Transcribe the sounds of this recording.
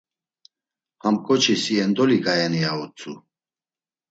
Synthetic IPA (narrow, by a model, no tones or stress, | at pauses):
hamkʼɔt͡ʃʰisiɛnd̪ɔliɡajɛniaɔt͡sʼu